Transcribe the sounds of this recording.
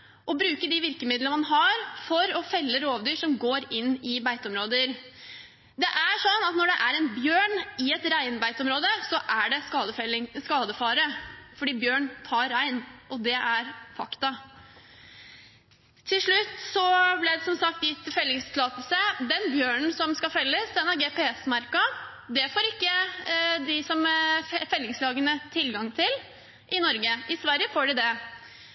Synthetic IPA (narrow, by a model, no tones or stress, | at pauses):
ʔɔbɾʉːkəɖɪʋɪɾkəmɪd̪ləəmɑnɦɑɾfɔɾɔfɛlːəɾoːʋd̪yːʂɔmɡoːɾɪnːɪbæɪt̪ɔmɾoːd̪əɾ | d̪ɛʔæʂɔnːɑt̪nɔɖɛʔæɾɛnbjøːɳɪɛt̪ɾæɪnbæɪt̪ɔmɾoːd̪əsɔʔæɖɛsɑːəskɑːd̪əfɑːɾəfɔɖiːbjøːɳt̪ʰɑːɾːæɪnʔɔd̪ɛʔæɾfɑkt̪ɑ | t̪ʰɪlʂɭʉt̪ːsɔblæɪd̪ɛsɔmsɑk̚t̪jɪt̪ːɪfɛlːɪŋst̪ʰɪlɑːt̪əlsəd̪ɛnbjøːɳn̩sɔmskɑfɛlːəsd̪ɛnæɾɡeːpɛɛsmɑɾkɑ | d̪ɛfoːɾɪkːəd̪ɪsɔmfɛlːɪŋslɑːɡənət̪ʰɪlɡɑŋt̪ʰɪl | ʔɪnɔɾɡəʔɪsʋæɾjəfoːɖɪd̪ɛ